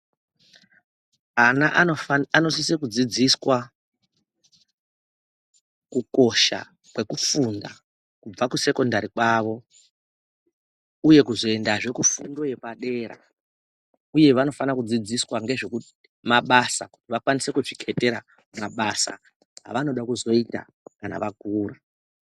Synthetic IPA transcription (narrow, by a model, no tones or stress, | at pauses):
anaʔoano̞sisekud͡zid͡ziswa | kuko̞ʃa̰ | kwe̞kufunda̰ | kub͡vakuse̞ko̞ndaɾikwaʋo̞ | uje̞kuzo̞e̞ndaʐe̞kufundo̞je̞paɗe̞ːɾa̰ | uje̞ʋano̞fanakud͡zid͡ziswaŋɡe̞ʐe̞kuti̥ | maɓasaku̥tiʋakwanise̞kuʐikʰete̞ɾa̰ | maɓasa̰ | ɦa̰ʋano̞ɗakuzo̞ita̰ | kana̰ʋaɡʱuːra